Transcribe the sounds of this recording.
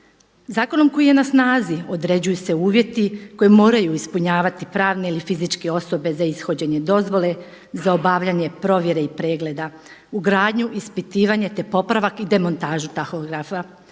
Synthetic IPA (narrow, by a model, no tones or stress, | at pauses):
zaːko̞no̞mko̞jije̞nasnaːzio̞d̪ɾe̞d͡ʑujuse̞uːʋje̞t̪iko̞jemo̞ːɾajuispuɲaːʋat̪ipɾaːʋne̞ilifizit͡ʃkeo̞so̞be̞zaisxo̞d͡ʑe̞ɲe̞d̪o̞zʋo̞le̞ | zao̞baːʋʎaɲe̞pɾo̞ʋje̞ɾe̞ipɾe̞ːɡle̞d̪a | uɡɾaːd̪ɲuʔispit̪iːʋaɲe̞t̪e̞po̞pɾaʋakid̪e̞mo̞nt̪aːʒut̪axoɡɾafa